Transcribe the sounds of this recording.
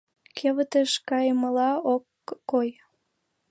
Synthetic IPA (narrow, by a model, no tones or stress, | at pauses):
kʰeβət̪əʃkɑjməlɑokː | oj